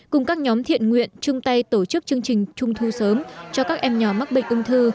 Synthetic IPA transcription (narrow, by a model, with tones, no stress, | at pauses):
kʊ˨˩ŋ͡mkaː˦˥k̚ɲɔ˨˦mt̪ʰḭ˧˨ənŋwḭ˧˨ənt͡ɕʊ˧ŋ͡mt̪a˧jt̪o˧˩t͡ɕɨ˦˥k̚t͡ɕɨ˧əŋt͡ɕï˨˩ŋ̟t͡ɕʊ˧ŋ͡mt̪ʰu˧səː˨˦mt͡ɕɔ˧kaː˦˥k̚ʔɛ˧mɲɔː˨˩ma˦˥k̚ɓə̰˧˨ŋ̟ʔʊ˧ŋ͡mt̪ʰɨ˧